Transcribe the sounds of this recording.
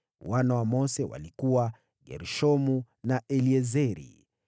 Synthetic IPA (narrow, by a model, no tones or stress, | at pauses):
wanawamɔsɛwa̰likuwa | ɡɛ̰ɾuʃɔmu | naʔɛliɛzɛɾḭ